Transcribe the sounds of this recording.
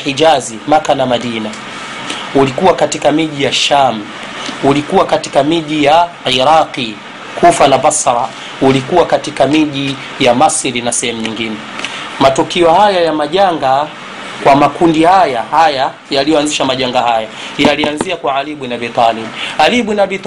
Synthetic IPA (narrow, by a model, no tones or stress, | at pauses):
id͡ʒazimakanamaɗina | ulikuwakatikamiʄijaʃam | ulikuwakatikamiʄija | iɾaqi | kufanabasɾa | ulikuwakatikamiʄi | jamasiɾinasɛhɛmuɲiŋɡinɛ | matukiɔhajajamaʄaŋɡa | kwamakundihajahaja | jalijɔanziʃamaʄaŋɡahaja | jalianziakwaaliɓunabit̪alibualiɓunabit̪